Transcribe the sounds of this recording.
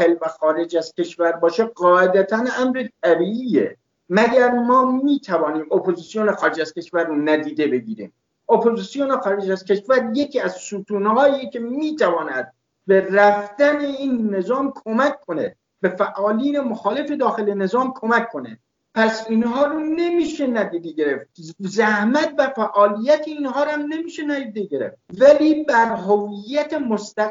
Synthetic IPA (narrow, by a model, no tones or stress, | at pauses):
helvæxɒːɾed͡ʒæzcʲʰe̞ʃvæɾbɒːʃeɢɒːʔed̪æt̪ʰænæmɾet̪̚ʰæbiːʔiːjḛ | mæɡæɾmɒːmiːt̪ʰævɒːniːmopʰozisijonexɒːɾed͡ʒæz̥kʲe̞ʃvæɾːonæd̪iːd̪e̞be̞ɡiːɾḭːm | opʰozisijonexɒːɾe̞d͡ʒæz̥kʰe̞ʃvæɾjecʰiːæzsuːt̪ʰuːnhɒːiːecʰe̞miːt̪ʰævɒːnæd̪̥̚ | be̞ræfd̪æneiːnːezɒːmkʰo̞mækʰːonḛ | be̞fæʔɒːliːnemoxɒːle̞fed̪ɒːxelene̞zɒːmkʰo̞mækʰːonḛ | pʰæsinɦɒːɾune̞miːʃenæd̪iːd̪eɡe̞ɾeft̪̚zæhmæt̪̚bæfæʔɒːlijæt̪ʰeinɦɒːɾæmne̞miːʃenæd̪iːd̪eɟe̞ɾḛft̪̚væliːbæɾɦovijːæt̪ʰemost̪æ